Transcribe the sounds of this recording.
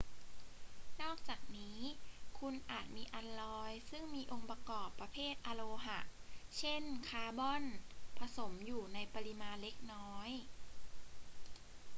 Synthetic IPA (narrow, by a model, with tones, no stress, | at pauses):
nɔː˥˩k̚t͡ɕaː˨˩k̚niː˦˥kʰu˧nʔaː˨˩t̪̚miː˧ʔa˧nlɔː˧jsɯ˥˩ŋmiː˧ʔo˧ŋpa˧kɔː˨˩pːa˧pʰeː˥˩t̪̚ʔa˧loː˧ɦa˨˩ʔt͡ɕʰe˥˩nkʰaː˧bɔ˥˩˨npʰa˧so˩˦mjuː˨˩na˧jpa˧li˧maː˧nle˦˥k̚nɔː˦˥j